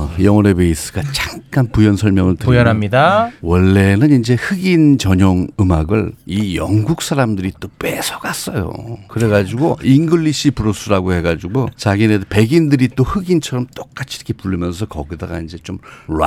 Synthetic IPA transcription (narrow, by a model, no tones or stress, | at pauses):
jʌŋʌɾebeis͈ɯ̥ɡat͡ɕaŋk͈anpujʌnsʰʌɭmjʌŋɯɭtɯujʌnɦamɲidawʌɭːe̞nɯnind͡ʑe̞hɯɡint͡ɕʌɲoŋɯmaɡɯɭijʌŋɡuk̚s͈ʰaɾamdɯɾit͈op͈wesʰʌɡas͈ʌjo̰kɯɾe̞ɡad͡ʑiɡoinɡɯɭːiɕʰipuɾos͈ʰɯɾaɡohe̞ɡad͡ʑiɡot͡ɕaɡinepe̞ɡindɯɾit͈ohɯɡint͡ɕʰʌɾʌmt͈ok͈at͡ɕʰi̥ɾʌkʰepuɭːɯmjʌns̬ʰʌkʌɡidaɡa̰ind͡ʑe̞t͡ɕomɾa